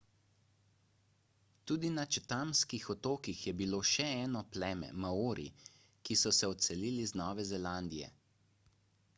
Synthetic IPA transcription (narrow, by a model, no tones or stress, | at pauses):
t̪uːd̪inat͡ʃɛt̪amskixɔt̪oːkixjɛbiloːʃɛɛːnɔplɛːmɛ̰maoːɾḭ | kisɔsɛɔt̪sɛliːliznɔːʋɛzɛland̪ijɛ̰